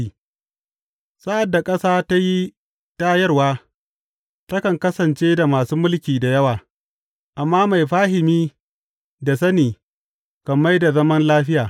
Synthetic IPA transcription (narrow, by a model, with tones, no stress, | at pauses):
i˨ | sa˦ʔa˨dːa˨kʼɐ˦saː˦ta˦ji˦ | taː˦jɐ˦rwaː˦ | tɐ˦kɐ˨ŋkɐ˦sɐ˨nt͡ʃeː˦da˨maː˨suː˦mʊ˦lkʲiː˨da˨jɐ˦waː˨ | ʔa˨mːaː˦ma˨jɸaː˦ɦɪ˨miː˦ | da˨s̬ɐ˦niː˨ | kɐ˨mːa˦jda˨zɐ˦mɐ˦nlaː˦ɸɪ˦jaː˨